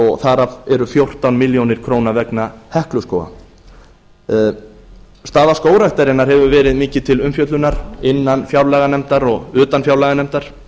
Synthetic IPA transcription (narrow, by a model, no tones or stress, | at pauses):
ɔɣθaɾavɛɾʏθjowr̥t̪awnmɪljownɪɾ̥kʰɾoːwnavɛknahɛhklʏskoːwa̰ | st̪aːðaskoːwɾaht̪aɾɪnaɾ̥hɛvʏvɛːɾɪðmɪːcɪt̪ʰɪlʏmfjœt̪lʏnaɾ̥ɪnːanfjawɾlɛɣanɛm̥t̪aɾɔɣʏːt̪anfjawlɛɣanɛm̥t̪aɾ̥